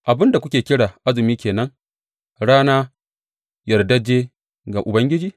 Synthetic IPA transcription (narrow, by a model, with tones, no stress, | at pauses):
ʔa˨bɪ˦nda˨kʷʊ˦kʲeː˨kʲɪ˦ɽaː˨ʔa˦zɪ˨miː˦kʲeː˨nɐ˦ŋ | ɽaː˦naː˦ | jɐ˨rdɐ˦d͡ʒeː˦ | ɡa˨ʔʊ˨bɐ˦ŋɡʲɪ˦d͡ʒiː˦